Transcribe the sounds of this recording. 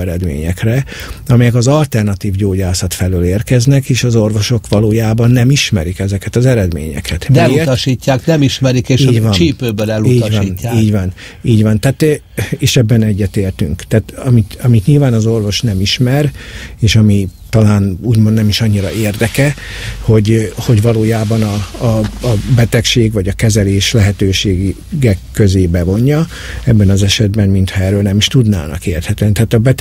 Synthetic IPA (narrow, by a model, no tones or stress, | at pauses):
ɛɾɛd̪mḛːɲɛ̰krɛɒmɛjɛkɒzɒlt̪ɛrnɒt̪iːvɟoːɟaːsɒt̪fɛløːleːrkɛznɛkeːʃɒzo̞rvo̞ʃo̞kʋɒloːjaːbɒnːɛmiʃmɛ̰ɾikɛzɛkɛt̪ɒzɛɾɛd̪mḛːɲɛ̰kʰɛt̪d̪ɛt̪ɒʃiːcːaːknɛmiʃmɛɾikeːʃiːɟvɒnt͡ʃ̪iːpøːbølɛluit̪ːɟvɒinːaːiːɟvɒn | iːɟvɒnt̪aːt̪ | eːʃɛbːɛnɛɟːɛt̪eːrt̪y̰ŋkt̪aːt̪ɒmit̪ɒmit̪ɲilvaːnɒzo̞rvo̞ʃnɛmiʃmɛreːʃɒmit̪ɒlaːnuːɟmond̪nɛmiʃɒɲːiɾɒeːrd̪ɛkɛ | ho̞ɟho̞ɟvɒloːjaːbɒnɒː | bɛt̪ɛkʃeːɡʋɒɟɒkɛzɛleːʃlɛɦɛt̪øːʃeː | ɡɛkːøzeːbɛvo̞ɲːɒ | ɛbːɛnɒzɛʃɛd̪bɛmmint̪hɒɛːrøːlnɛmiʃt̪ud̪na̰ːnɒ̰keːrt̪hɛt̪ɛnit̪ɛaːt̪ɒbɛt̪